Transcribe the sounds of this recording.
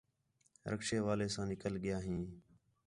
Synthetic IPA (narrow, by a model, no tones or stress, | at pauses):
ɾə̰kʃeːʋaːleːsãːnɪkəlɠɪjaːɦĩː